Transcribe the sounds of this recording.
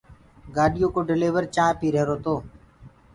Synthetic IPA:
ɡaːɗɪjõːkoːɖɪleːʋəɾt͡ʃãːpiːɾeːɾoːt̪oː

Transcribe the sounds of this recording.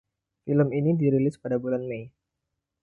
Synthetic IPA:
filəminidiɾilɪspadabulanmej

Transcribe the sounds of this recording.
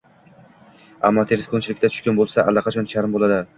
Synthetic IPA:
a̰mːɒt̪ʰeɾɪskont͡ʃʰɪlɪkʲt̪at͡ʃ̪ʰʊ̥ʃkʲanbolˠsaʔa̰lːɑqʰɑt͡ʃʰɒnt͡ʃʰaɾɪmbolad̪ɪ

